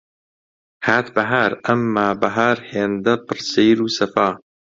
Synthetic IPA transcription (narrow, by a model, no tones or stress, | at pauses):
haːt̪bɐɦaːɾɐmːaːbɐɦaːɾheːnd̪ɐpɨɾsejɾuːsɐfaː